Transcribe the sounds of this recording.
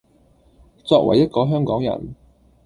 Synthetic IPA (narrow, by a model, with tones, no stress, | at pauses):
t͡sɔː˧k̚wɐ̰˨˩jɐ˥t̚kɔː˧˥ɦœː˥ŋkɔː˨˥ŋjɐ̰˨˩n